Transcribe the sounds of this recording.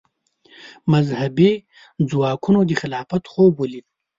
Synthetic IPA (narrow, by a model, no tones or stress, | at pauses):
mazhabe | d͡zwɑːkunod̪ixɪlɑːfat̪xobolid̪